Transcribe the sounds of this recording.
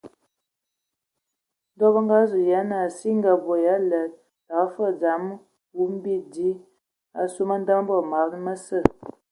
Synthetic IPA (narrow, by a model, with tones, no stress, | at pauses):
n˦dɔ˦bə˦ŋɡa˦zu˨ja˨˦na˨si˦ŋ˦ɡa˨bo˨ja˦lə˨˦ | ta˨kfə˦˨d͡za˨˦m˦ | wu˦m˦bi˦di˦ | a̰˨su˦mə˦n̩˦da˦ŋ˦bə˦˨ma˨˦mə˦sə˦˨